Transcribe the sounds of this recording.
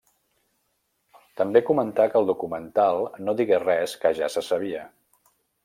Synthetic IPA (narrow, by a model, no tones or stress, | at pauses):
t̪əmbekumənt̪akəlˠd̪ukumənt̪alˠnoðiɣerɛskəʒasəsəβ̞iə